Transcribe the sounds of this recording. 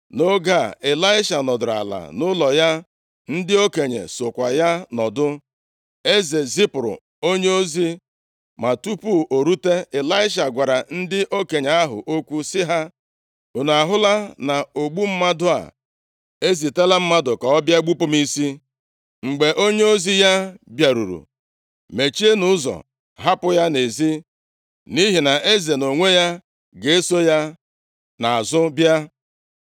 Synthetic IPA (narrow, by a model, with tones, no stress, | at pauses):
no˦ɡa̰˦˨ɪ˨la˦ɪ˦ʃa˨nɔ˨dʊ˨ɾa̰˨la̰˨nʊ˦lɔ˨ja˦ | n̩˦dɪ˦o˦ke˨ɲḛ˨so˨kʷa˨ja˦nɔ˨dʊ˦ | e˦ze˨zi˦pɾʊ̰˨ | o˦ɲe˦o˦zi˦ | ma˨tu˦pu˦˨ʔo˨ɾu˦te˦ɪ˨la˦ɪ˦ʃ̬a˨ɡʷa˨ɾa˨n̩˦dɪ˦ʔo˦ke˨ɲe˨a˦ɦʊ̰˨ʔo˦kʷu˦sɪ˦ɦa˦ | o˨n˨a˨ɦʊ˦la˦na˨o˨ɡ͡bu˦m̩˦ma˦dʊ˦a̰˨ | e˦zi˨te˦la˦m̩˦ma˦dʊ˨ka˨ɔ˦bja˦ɡ͡bu˦pʊ˦m˦i˦si˦ | ŋ͡m̩˨ɡ͡be˨ʔo˦ɲe˦o˦zi˦ja˦bja˨ɾṵ˨ɾṵ˨ | me˨t͡ʃi˦e˦nʊ˦ʊ˦zɔ̰˨ | ɦa˦pʊ˦ja˦ne˨zi˦ | ni˦ɦi˨na˨ʔe˦ze˨no˨ŋʷe˦ja˦ | ɡe˨e˦so˦ja˦ | na˨a˨zʊ˦bja˦